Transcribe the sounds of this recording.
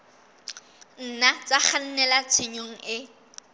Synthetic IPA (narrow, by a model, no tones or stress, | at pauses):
n̩nat͡sʼak͡xan̩nɛlat͡sʰeɲoŋ̩ɪ